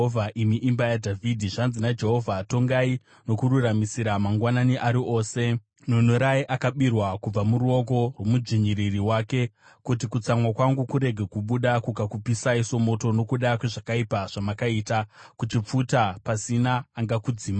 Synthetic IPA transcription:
vʱaʔimiʔimbajadʱavʱidʱiʐanzinad͡ʒe̞ɦo̞vʱaːto̞ŋɡai | no̞kuɾuramisiɾamaŋɡwananiʔaɾiʔo̞ːse̞ | nonoɾaiʔakaɓirwakub͡vamuɾuo̞k̬o̞rwo̞mud͡ʒiɲiɾiriwaːke̞ | kut̬ikut͡samwakwaŋɡukuɾe̞ɡʱe̞kuɓuɗakukakupisaiso̞mo̞to̞no̞kuɗakwe̞ʐakaipaʐ̥amakaiːtakut͡ʃip͡futapasinaːŋɡakud͡ziːma

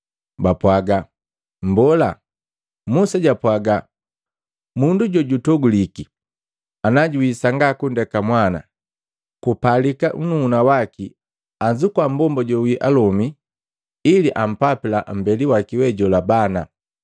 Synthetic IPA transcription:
bapwaɡa | m̩bɔla | musaɟapwaɡa | munduɟɔɟutɔɡuliki | anaɟuwisaŋɡakundɛkamwana̰ | kupalikaʔununawaki | aɲd͡ʒukwambɔmbɔɟɔwiʔalɔmi | iliʔam̩papilam̩bɛliwakiwɛɟɔlabana

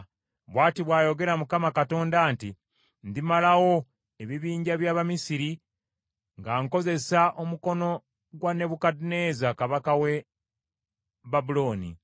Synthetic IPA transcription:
βwaːtiβwaːjo̞ɡe̞ɾamukamakato̞ːndaːnti | nd̪imalawo̞ | eβiβiːɲɟaβjaːβamisiɾi | ŋɡaŋko̞ze̞saʔomuko̞no̞ | ɡwane̞βukadneːzakaβakawe̞ | βabulo̞ːnḭ

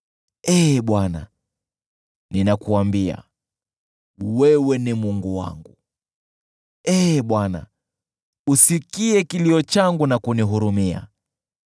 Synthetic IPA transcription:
ɛɓwana̰ | ninakuambia̰ | wɛwɛnimuŋɡuwa̰ŋɡṵ | ɛɓwana̰ | usikiɛkiliɔt͡ʃaŋɡunakuniɦuɾumia̰

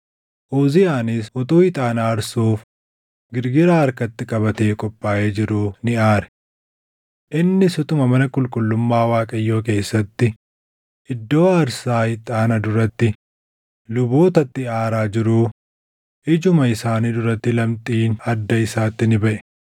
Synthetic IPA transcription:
ʔoːzɪjaːnɪsɔt̪uːɪt̪ʼaːnaːɾsuːf | ɡɪɾɡɪɾaːɐɾkɐt̪ːɪkʼɐbɐt̪eːkʼɔpʼːaːʔeːd͡ʒɪɾuːnɪaːɾɛ̥ | ʔɪnːɪsʊt̪ʊmɐmɐnɐkʼʊlkʼʊlːʊmːaːwaːkʼɐjːo̞ːk̬e̞ːsːɐt̪ːɪ | ʔɪd̪ːo̞ːɐɾsaːhɪt̪ʼaːnɐd̪ʊɾɐt̪ːɪ | lʊboːt̪ɐt̪ːɪaːɾaːd͡ʒɪɾuː | ʔɪd͡ʒʊmɐɪsaːniːd̪ʊɾɐt̪ːɪlɐmt̪ʼiːnɐd̪ːɐɪsaːt̪ːɪnɪbɐʔɛ̥

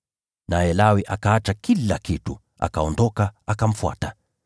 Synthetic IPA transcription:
najɛlawiʔakaat͡ʃakilakitu | a̰kaɔndɔkaakam̩fua̰ta

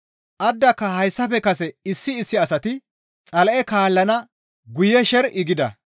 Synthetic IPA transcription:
ʔɐd̪ːɐkːɐhɐjsːɐfɛkɐsɛɪsːɪːsːɪɐsɐt̪ɪ | t͡sʼɐlɐʔɛkaːlːɐnɐ | ɡʊjɛʃɛɾɪɡɪd̪ɐ̰

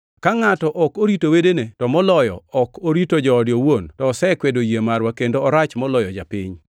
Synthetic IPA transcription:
kaŋatɔʔɔkoɾitowedenetɔmɔlɔjɔ̰ɔkoɾitod͡ʒɔːdjowontɔːsɛkwedojemaɾwakendoɔɾat͡ʃmɔlɔjɔd͡ʒapɪ̰ɲ

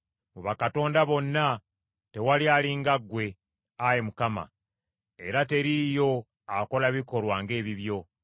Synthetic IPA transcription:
moβakato̞ːndaβo̞nːa | te̞walialiŋɡaɡːwe̞ | ajemukama̰ | e̞ɾate̞ɾijo̞ | ako̞laβiko̞lwaŋɡe̞ːβiβjo̞

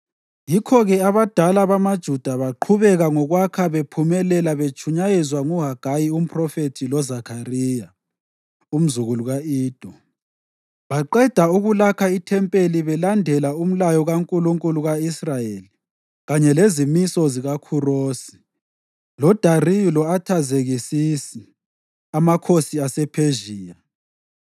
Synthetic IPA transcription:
jikʰɔɣɛaβad̥ʱalaβamad̥ʒ̥ʱud̥ʱaβaǃʰuβɛɣaŋɔɣwakʰaβepʰumɛlɛlaβet͡ʃʰʼuɲajɛzwaŋuɦaɡ̥ʱajium̩pʰʼrɔfetʰilɔzakʰariːja | um̩zuɣuluɣaiːd̥ʱɔ | βaǃɛd̥ʱauɣulakʰaitʰɛmpʼeliβɛlandʱɛlaum̩lajɔɣaŋkʼuluŋkʼuluɣaisrajeli | ɣaɲɛlezimisɔziɣakʰuroːsi̥ | lɔd̥ʱarilɔatʰazeɣisisi | amakʰosiasɛpʰeʒiːja

